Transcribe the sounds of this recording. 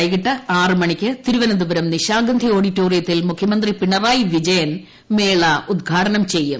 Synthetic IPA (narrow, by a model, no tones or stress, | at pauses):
jɣiʈːɐaːrɨmɐɳikʲːɨt̪iɾuʋɐnɐd̪ubɐɾɐmniɕaːɡɐnd̪ʱio̞ːɽitːo̞ːrijɐt̪ːilmukʰjɐmɐnd̪ripiɳɐraːjʋid͡ʑɐjɐn | meːɭɐʔud̪̚ɡʱaːʈɐnɐmt͡ɕe̞jːɨm